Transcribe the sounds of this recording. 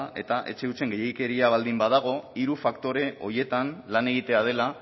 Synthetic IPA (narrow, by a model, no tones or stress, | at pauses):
ʔe̞̰t̪aʔe̞̰t͡ʃe̞ut͡se̞ŋɡe̞jejke̞ɾiaβ̞ald̪imbaðaɣ̞o̞iɾufakt̪o̞ɾe̞o̞ɾje̞t̪anlane̞ɣ̞it̪e̞að̞e̞la